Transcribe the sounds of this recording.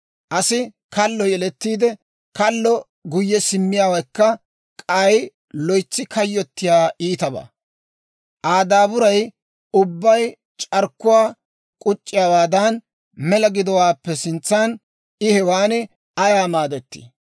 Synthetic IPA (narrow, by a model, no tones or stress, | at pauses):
ʔɐsɪ | kɐlːɔjɛlɛt̪ːiːd̪ɛ | kɐlːɔ | ɡʊjːɛsɪmːɪjaːwɐjkːɐ | kʼɐj | lɔjt͡sːɪkɐjːɔt̪ːɪjaːʔiːt̪ɐba̰ː | ʔaːd̪aːbʊɾɐj | ʊbːɐj | t͡ʃʼɐɾkːʊwaː | kʼʊt͡ʃʼːɪjaːwaːd̪ɐn | mɛlɐɡɪd̪ɔwaːpːɛsɪnt͡sːan | ɪhɛwaːnɪ | ɐjaːmaːd̪ɛt̪ːḭ